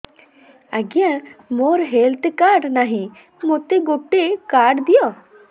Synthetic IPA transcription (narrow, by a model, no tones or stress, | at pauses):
aɡijãmoɾɦelt̪ekaɖnaɦĩ | mot̪eɡoʈːekaɖd̪ijɔ